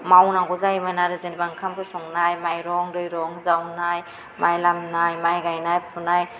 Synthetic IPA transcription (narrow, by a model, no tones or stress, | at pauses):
mawnaɡɔzaimanaɾɯzenibaŋkʰambɯsɔŋnajmajɾɔŋdɔjɾɔŋzawnaj | majlamnajmajɡajnajpʰunaj